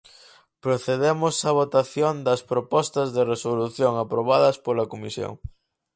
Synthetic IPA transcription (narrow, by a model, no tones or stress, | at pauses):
pɾoθeðemʊsɐβ̞ot̪aθjond̪ɐspɾopɔst̪ɐzðeresoluθjoŋapɾoβaðɐspolɐkomisjo̰ŋ